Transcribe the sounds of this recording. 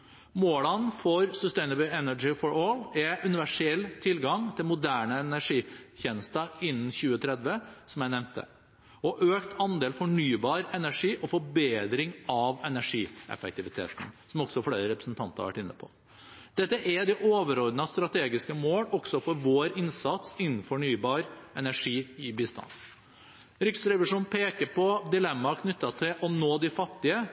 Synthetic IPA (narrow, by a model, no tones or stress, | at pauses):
moːlənfɔɾsʉst̪ɛɪnəbəlɛnæd͡ʒɪfɔɾɔlɛʔʉnɪʋæʂɛlːt̪ʰɪlɡɑŋt̪ʰɪlmʊd̪æːɳəɛnæʂiːçɛːnəst̪əɪnːn̩çʉːət̪ʰɾɛd̪ʋəsɔmjæɪnɛʋnt̪ə̰ | ɔʔøːkt̪ʰɑnd̪eːlfɔɳyːbɑːɾɛnæʂiːʔɔfɔɾbeːd̪ɾɪŋɑʋɛnæʂiːʔɛ̰fɛk̚t̪ɪʋɪt̪ʰḛːt̪n̩sɔmɔɡsɔfleːɾəɾɛpɾəsn̩t̪ʰɑnt̪əɾɑ̰ʋæ̰ʈːɪnːə̰pʰɔ̰ | d̪̥ɛt̪ːəʔæd̪ɪʔoːʋəɾɔɾd̪nɑst̪ɾɑt̪ʰeːɡɪskəmoːlɔɡ̥sɔfɔɾʋoːɾɪnsɑt̪sɪnːn̩fɔɳyːbɑːɾʔɛnæʂiːɪbiːst̪ɑ̰n | ɾʏksɾɛʋɪʂuːnpʰeːkəɾpɔd̪ɪlɛmːɑkʰnʏt̪ːɑt̪ʰɪlʔɔnoːd̪ɪfɑt̪ːɪə